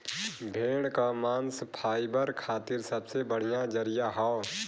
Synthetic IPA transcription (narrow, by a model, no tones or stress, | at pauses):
bʱeːɽ̃kamaːnspʰaːibəɾkʰaːt̪ɪɾsɐbsebəɽ̤ijad͡ʒəɾɪjaɦao